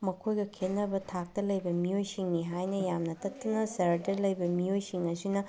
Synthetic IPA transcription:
mɐkʰojɡɐkʰenːɐbɐtʰak̚tɐlɐjbɐmijojsiŋniɦajnɐjamnɐtʰɐtːɐnɐsɐɾɐdɐlɐjbɐmijojsiŋɐsinɐ

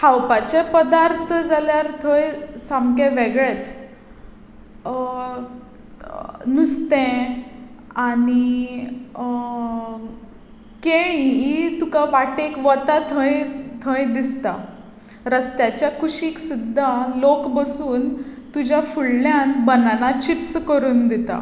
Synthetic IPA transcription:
hawpat͡ɕepəd̪aɾt̪ʰəd͡zaljaɾt̪ʰəjsamkẽʋeɡɭet͡s | nust̪ɛ̃ | ani | keɽ̃iit̪ukaʋaʈekʋət̪at̪ʰə̃jt̪ʰə̃jd̪ist̪a | ɾəst̪jat͡ɕjakʰuɕiːksud̪ʱːalokbəsuːnt̪ud͡ʑjafuɽljanbənanat͡ɕipskəɾuːnd̪ɛt̪a̰

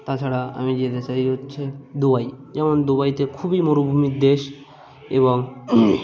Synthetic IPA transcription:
t̪asʰaɽaa̰mid͡ʑed̪esaiɦot̪t͡ɕʰed̪ubaid͡ʑaməɳd̪ubait̪ekʰuːbiːmoɾubʱumit̪̚d̪eɕ | ebɔŋɡ

